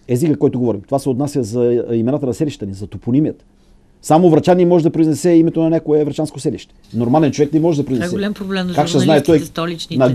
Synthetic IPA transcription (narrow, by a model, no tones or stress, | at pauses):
ɛzikəkɔjt̪ʊɡovɔɾimt̪ovasɛot̪nasjəzɐimɛnat̪ənɐsɛliʃe̥t̪ənʲizɐt̪opunimiət̪ | samovɾɐt͡ʃanʲimɔʒɛd̪ɐpɾoiznɛsɛimɛt̪onɐnʲakʊɛvɾɐt͡ʃanskosɛlḭʃt̪ɛ̥noɾmalɛnt͡ʃovɛknimɔʒɛd̪ɐpɾoiznɛɡ̪sɛlamɾoblɛkakʃt̪ɛznaɛt̪ɔjɛlnɐ